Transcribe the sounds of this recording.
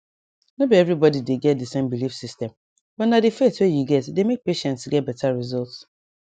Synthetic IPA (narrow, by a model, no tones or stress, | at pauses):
nobiɛvɹibɔdideɡɛt̚dɨsẽmbilifsistɛ̃m | bɔtnadɨfeswejuɡɛtdemek̚peʃɛ̃ntsɡɛt̚bɛtʰaɹizɔlts